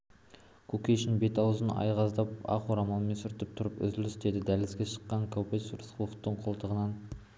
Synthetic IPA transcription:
kʲʰɵkʲejʃɪnbe̞t̪ɑwzənɑ̰jʁɑzd̪ɑp̚ɑ̰qoɾɑmɑlˠme̞nsʏɾt̪ɪp̚t̪ʰʊɾəpʏ̰zɪlɪst̪e̞d̪ɪd̪ælɪzɡʲeʃə̥qːɑŋkʲʰæwpet̪suɾəsqəlˠəqt̪əɴqʰolˠt̪ʰəʁənɑn

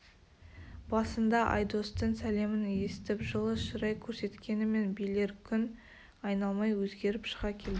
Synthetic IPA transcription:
b̥ɑsənd̪ɑʔɑ̰jd̪o̞st̪əɴsæle̞mɪne̞sɪt̪ɪpʒəlˠəʃʊɾɑjkʲʰɵɾse̞t̪kʲe̞nɪme̞nbijle̞ɾkʲʰʏn | ɑjnɑlˠmɑjwɵzɡʲe̞ɾɪpʃə̥ʁɑkʲʰe̞ld̪ɪ

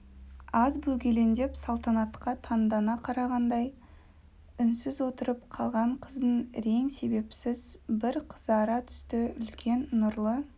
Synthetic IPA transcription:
ɑzbɵɡʲe̞le̞nd̪e̞psɑlˠt̪ɑnɑt̪qɑt̪ʰɑnd̪ɑnɑqʰɑɾɑʁɑnd̪ɑj | ʏnsɪzwo̞t̪əɾəpqʰɑlˠʁɑɴqʰəzd̪ənɾe̞ŋse̞be̞psɪzbɪɾqʰə̥zɑɾɑt̪ʰʏ̥st̪ɪʏlkʲʰe̞nːʊɾlˠə

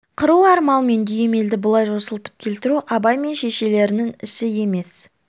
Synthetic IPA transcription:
qʰəɾuɑɾmɑlˠme̞nd̪yje̞me̞ld̪ɪbʊlˠɑjʒo̞səlˠt̪ə̥p̚kʲʰe̞lt̪ɪɾuʔɑbɑjme̞nʃe̞ʃe̞le̞ɾɪnɪŋɪsɪje̞me̞s

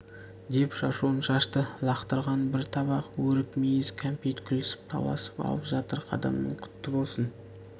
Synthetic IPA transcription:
d̪e̞pʃɑʃuənʃɑʃt̪əlˠɑqt̪əɾʁɑnbɪɾt̪ʰɑβɑqwɵɾɪkmejɪzkʲʰæmpʲejt̪kʲʰʏlɪsɪ̥p̚t̪ʰɑ̰lˠɑ̰sə̥pɑ̰lˠəpʒɑt̪əɾqʰɑ̰d̪ɑ̰mnə̰ɴkʲʰʏ̥t̪ːɪbo̞lˠsən

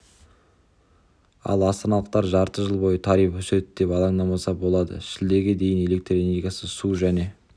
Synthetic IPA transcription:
ɑ̰lˠɑst̪ɑnɑlˠəq̚t̪ɑɾʒɑɾt̪əʒəlˠbo̞jət̪ʰɑɾijpɵsɾet̪d̪e̞pɑlˠɑɴd̪ɑmɑsɑbo̞lˠɑd̪ə̰ʃɪld̪e̞ɡʲe̞d̪e̞jɪne̞le̞k̚t̪rene̞ɾɡʲijasəsuʒæne̞

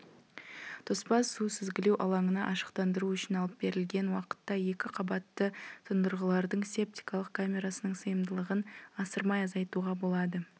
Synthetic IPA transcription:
t̪ʰospɑsːusɪzɡʲɪlewʔɑlˠɑɴənɑʔɑʃə̥qt̪ɑnd̪əɾuʏʃɪnɑlˠəp̚be̞ɾɪlɡʲe̞nwɑqə̥t̪ːɑje̞kʲɪqʰɑbɑt̪ːət̪ʰənd̪əɾʁəlˠɑɾd̪əɴse̞p̚t̪ʲi̥jkɑlˠəq̚kʰamʲe̞ɾasənəɴsəjəmd̪əlˠəʁənɑsəɾmɑjɑzɑjt̪uʁɑbo̞lˠɑd̪ə

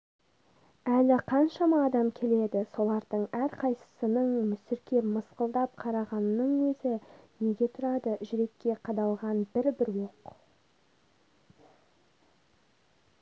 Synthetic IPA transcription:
ælɪqʰɑnʃɑmɑːd̪ɑmkʲʰe̞le̞d̪ɪso̞lˠɑɾd̪əɴæɾqʰɑjsə̥sənəɴmʏsɪɾkʲe̞pməsqəlˠd̪ɑp̚qʰɑɾɑʁɑnːəɴwɵzɪne̞ɡʲe̞t̪ʰʊɾɑd̪əʒʏɾe̞kʲːe̞qʰɑd̪ɑlˠʁɑnbɪɾbɪɾwoq

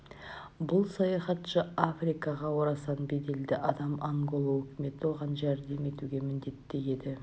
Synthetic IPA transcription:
bʊlˠsɑjɑχɑt̪ʃəafrijkɑʁɑwoɾɑsɑnbe̞d̪e̞ld̪ɪʔɑd̪ɑmaŋɡo̞lˠawɵkʲɪme̞t̪wo̞ʁɑnʒæɾd̪e̞me̞t̪uɡʲe̞mɪnd̪e̞t̪ːe̞je̞d̪ɪ

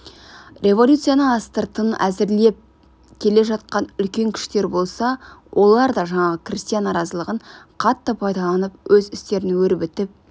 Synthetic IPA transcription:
rʲe̞vo̞lʲut̪sɨjanəɑst̪əɾt̪ənæzɪɾle̞p̚ | kʲʰe̞le̞ʒɑt̪̚qɑnʏlkʲe̞ŋkʲʰɪ̥ʃt̪e̞ɾbo̞lˠsɑwʔo̞lˠɑɾd̪ɑʒɑɴɑʁəkrʲist̪ijanːɑɾɑzəlˠəʁəɴqʰɑt̪ːəpʰɑjd̪ɑlˠɑnəpwɵzɪst̪e̞ɾɪnwɵɾɪbɪt̪ɪp̚

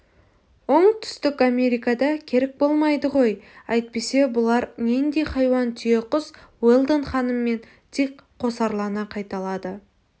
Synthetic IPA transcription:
wo̞ɴt̪ʰʏ̥st̪ɪkame̞ɾijkɑd̪ɑkʲʰe̞ɾek̚bo̞lˠmɑjd̪əʁo̞jɑjt̪̚pe̞se̞bʊlˠɑɾnend̪e̞jχɑjwɑnt̪ʰʏjeqʊswelˠd̪ənχɑnəmːe̞n | t̪ʰekqʰːo̞sɑɾlˠɑnəqʰɑjt̪ɑlˠɑd̪ə

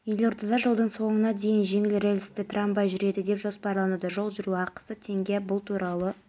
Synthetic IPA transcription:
ʏjlo̞ɾt̪ɑd̪ɑʒəlˠd̪əɴso̞ɴənɑd̪e̞jɪnʒe̞ŋɪlɾelʲɪst̪ɪt̪ʰrambɑjʒʏɾe̞d̪ɪd̪e̞pʒo̞spɑɾlˠɑnud̪ɑʒo̞lˠʒʏɾuɑqə̥sət̪ʰe̞ŋɡʲebʊlˠt̪ʰuɾʔɑlˠə

